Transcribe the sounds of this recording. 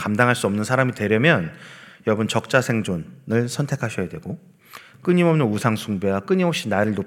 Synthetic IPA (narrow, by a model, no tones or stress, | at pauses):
kamdaŋɦaɭs͈uʌmnɯnsʰaɾamitwe̞ɾjʌmjʌnjʌʌbɯnt͡ɕʌk̚t͡ɕ͈asʰe̞ŋd͡ʑonɯɭsʰʌntʰe̞kʰaɕʰʌjadwe̞ɡo | k͈ɯɲimʌmnɯnusʰaŋsʰuŋbewak͈ɯɲimop̚ɕ͈inaɾɯɭno